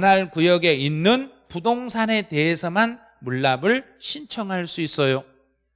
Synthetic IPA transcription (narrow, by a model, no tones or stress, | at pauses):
naɭkujʌɡe̞inːɯnpudoŋsʰane̞te̞ɦesʰʌman | muɭːabɯɭ | ɕʰint͡ɕʰʌŋɦaɭs͈uis͈ʌjo